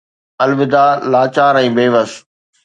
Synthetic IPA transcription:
ɐlʋɪd̪aːlaːt͡ɕaːɾɛ̃ːbeːʋəs

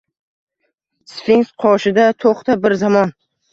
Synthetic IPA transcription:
sfiŋsqʰɒʃɪd̪at̪ʰoχt̪ʰabɪɾzamɒn

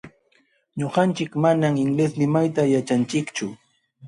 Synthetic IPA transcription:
ɲoɢɑnt͡ʃɪkmanamɪŋleslɪmajt̪ajat͡ʃant͡ʃɪkt͡ʃʊ

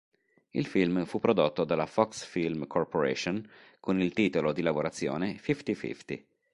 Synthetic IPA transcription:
ḭlfilmfupːɾod̪ot̪ːod̪alafɔksfilmkʰorpoɾɛ̰ʃonkʰonilt̪iːt̪olod̪ilavoɾat̪sːjo̰ːnefift̪ifḭft̪ḭ

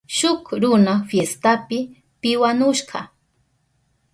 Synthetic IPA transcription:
ʃʊkɾʊnafjest̪apɪ | pɪwanʊʃɢɑ̰

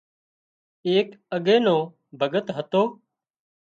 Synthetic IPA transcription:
eːkəɠẽːnõː | bʱəɠət̪ɦət̪oː

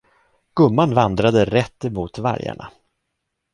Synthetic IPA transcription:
ɡ̥ɵmːanvand̪ɾad̪əɾɛt̪ːɛmuːt̪va̰ɾja̰ɳa̰

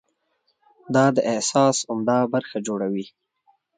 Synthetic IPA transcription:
d̪ɑd̪əʔɪsɑsʊmd̪ɑbaɾxad͡ʒoɽawi

